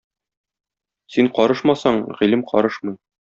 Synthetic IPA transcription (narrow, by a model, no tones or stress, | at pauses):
siɴqɒɾɤʃmɑsɑɴʁilɘmqɒ̰ɾɤʃmɤ̆j